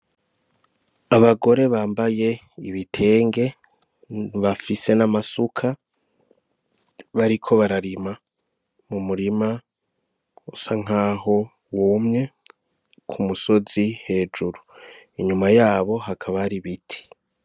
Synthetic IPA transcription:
aβaɡo̞ɾe̞βaːmbaje̞ | iβitʰe̞ːŋɡe̞ | βafise̞namasukʰa | βaɾikʰo̞βaɾaɾima | mumuɾima | usaŋ̥aːɦo̞ | wumɲe̞ | kʰumuso̞zihe̞ːd͡ʒuɾuiɲumajaːβo̞ɦakʰaβaɾiβitʰi̥

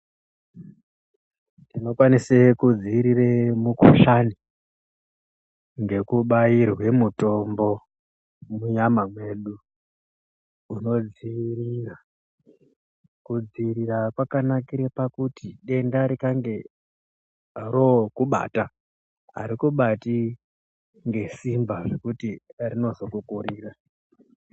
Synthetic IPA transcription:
nino̞kwanisekud͡ziːɾiremuko̰ʃani | ŋɡe̞kuɓairwe̞muto̞mbo̞ | muɲamamwe̞ːɗu | uno̞d͡zirira | kud͡ziɾirakwakanakiɾepakutiɗe̞ndaɾikaŋɡe̞ | rokuɓa̰ta | ɦa̰ɾikuɓati | ŋɡe̞simbaʐekutirino̞zo̞kukuɾiːra

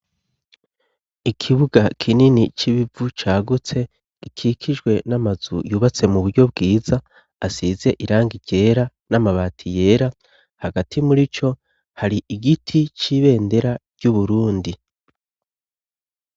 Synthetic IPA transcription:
ikʰiβuɡakʰininit͡ʃiβivut͡ʃaːɡut͡se̞ | ikʰikʰid͡ʒɡwe̞namazṵjuβat͡se̞muβuɾɟo̞b̚ɡiːza | asize̞ʔiɾaːŋɡiɟ̥e̞ːɾa | namaβaːtʰije̞ːɾa | haɡatʰimuɾit͡ʃo̞ | haɾiʔiɡitʰit͡ʃiːβe̞ːnde̞ɾaɾɟ̥uβuɾuːndi

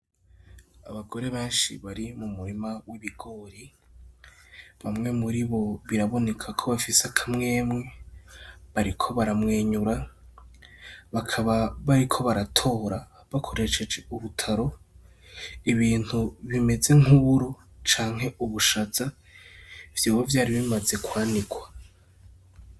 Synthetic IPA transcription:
a̰βaɡo̞ɾe̞βe̞ːnʃḭβaɾimumuɾimawiβiɡ̥o̞ːɾi | βamŋe̞muɾiβo̞βiɾaβo̞ne̞kʰakʰo̞βafisakʰamŋe̞ːmŋe̞ | βaɾikʰo̞βaɾamŋeːɲuɾa | βakʰaβaβaɾikʰo̞βaɾatʰo̞ːɾa | βakʰo̞ɾe̞ʃe̞d͡ʒe̞uβutʰaɾo̞ | iβiːn̥huβime̞ze̞ŋuβuɾu | t͡ʃaːŋ̥ɦe̞uβuʃaza | vjoːwovjaːɾiβimaze̞kwaːnikwḁ

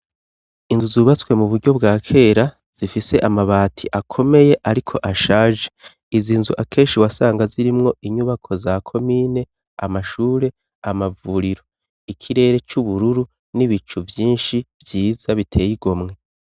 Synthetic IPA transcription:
inzuzuːβat͡swe̞muβuɾɟo̞bɡaːkʰe̞ːɾa | z̥ifise̞ʔamaβaːtʰiʔakʰo̞me̞je̞ʔaɾikʰo̞ʔaʃaːʒe̞ | iziːnzuʔakʰe̞ːʃiwasaːŋɡaziɾimŋo̞ʔiɲuβakʰo̞zakʰo̞miːne̞ | amaʃuːɾe̞ | amavuːɾiɾo̞ | ikʰiɾe̞ːɾe̞t͡ʃuβuɾuɾu | niβit͡ʃuvjiːnʃivjiːz̥aβitʰe̞ːjiɡo̞mŋe̞

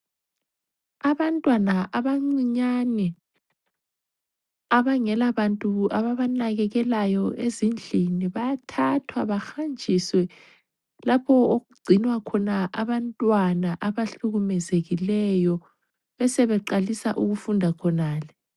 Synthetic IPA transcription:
aβantʼwanaʔaβaŋ͡ǀiɲanɛ | aβaŋɛlaβantʼuaβaβanaɣɛɣɛlajɔezind͡ɮʱiniβajatʰatʰwaβaxand͡ʒʱiswɛ | lapʰɔoɣuɡ͡ǀʱinwakʰɔnaʔaβantʼwanaʔaβaɬuɣumɛzeɣilɛjɔ | βɛsɛβɛǃalisaʔuɣufundʱakʰɔnaːlɛ

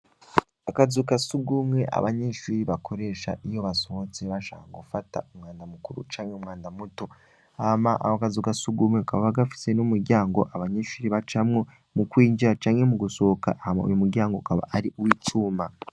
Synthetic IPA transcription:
akazukasuɡumŋe̞ʔa̰βaɲeːʃuːɾiβakʰo̞ɾe̞ːʃa̰ijo̞βaso̞ho̞t͡se̞βaʃa̰ːkaɡufata̰umŋaːndamukuɾṵt͡ʃaːŋheumŋaːndamuto̞ | amaʔa̰kazukasuɡumŋeukaβaβaɡafi̥se̞numuɾɟaːŋɡo̞̰ʔaβaɲeʃuːɾiβat͡ʃamŋo̞ | mukwiːɲɟiɾat͡ʃaːŋhe̞muɡuso̞ka̰ʔhamao̰jumuɾɟaːŋɡokaβa̰ʔaɾiwiːcuːma

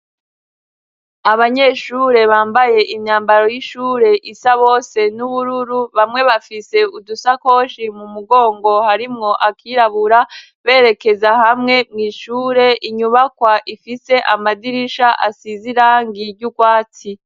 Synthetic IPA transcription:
aβaɲe̞ʃuːɾe̞βaːmbaje̞ʔimɲaːmbaɾo̞jiʃuːɾe̞ʔisaβo̞ːse̞nuβuɾuɾuβamŋe̞βafise̞udusako̞ːʃimumuɡo̞ːŋɡo̞haɾimŋo̞ʔakʰiːɾaβuɾa | βe̞ːɾe̞ke̞zahamŋe̞mŋiːʃuːɾe̞ʔiɲuβakwaʔifise̞ʔamadiɾiʃaʔasiziɾaːŋɡiɾɟuɡwaːt͡si

